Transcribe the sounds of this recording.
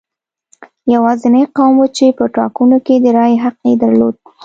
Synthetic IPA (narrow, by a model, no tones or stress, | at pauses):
jawɑzenaqɑwmwut͡ʃepəʈɑ̰kunoked̪əɾɑjɦaq̚ed̪aɾlo̰d̪̚